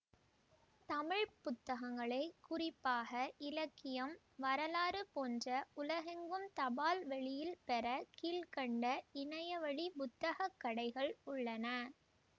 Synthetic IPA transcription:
t̪ɐmɪɻpʊt̪ːɐɣɐŋɡɐɭɐɪkːʊrɪpːaːɣɐʔɪlɐkːɪjɐm | ʋɐɾɐlaːɾɯpoːndrɐʊlɐɣɐŋɡɯmt̪ɐbaːlʋɛɭɪjɪlpɛɾɐkiːlkɐɳɖɐɪɳɐjɐʋɐɭipʊt̪ːɐɣɐkːɐɽɐɪɣɐɭʊɭːɐnɐ

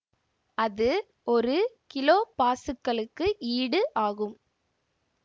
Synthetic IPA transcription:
ɐðɯ | ɔɾɯkɪloːpaːsɯkːɐɭɯkːɯʔiːɽɯʔaːɣɯm

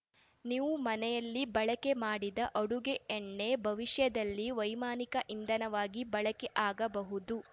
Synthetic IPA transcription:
niːʋumɐnɛjɐlːibɐɭɐkemaːɽid̪ɐʔɐɽuɡeːɳːe̞bʱɐʋiʂjɐd̪ɐlːiʋɐjmaːnikɐʔind̪ɐnɐʋaːɡibɐɭɐkeʔaːɡɐbɐɦud̪u

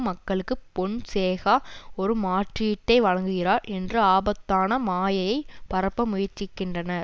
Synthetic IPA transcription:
mɐkːɐɭɯkːɯpɔɳseːɣaːɔɾɯmaːʈrɪɪʈːɐɪʋɐɻɐŋɡɯɣɪɾaːɾɛndrɯaːbɐt̪ːaːnɐmaːjɐjɐɪpɐɾɐpːɐmʊjɪɾt͡ʃːɪkːɪndrɐnɐɾ

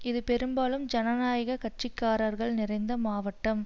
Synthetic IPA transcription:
ɪðɯpɛɾɯmbaːlɯmd͡ʒɐnɐnaːjɐɣɐkɐʈt͡ʃɪkːaːɾɐɾɣɐɭnɪrɐɪnd̪ɐmaːʋɐʈːɐm

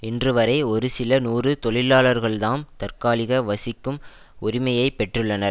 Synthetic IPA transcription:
ɪndrɯʋɐɾɐɪɔɾɯsɪlɐnuːrɯt̪ɔɭɪlːaːɭɐɾɣɐɭðaːnt̪ɐɾkaːlɪɣɐʋɐsɪkːɯm | ʊɾɪmɐjɐɪpːɛʈrɯɭːɐnɐɾ

